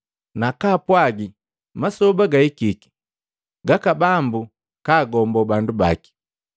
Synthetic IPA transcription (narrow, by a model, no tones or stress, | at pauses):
nakaːpwaɡi | masɔbaɡaikiki̥ | ɡakabambu | kaːɡɔmbɔbanduba̰ki̥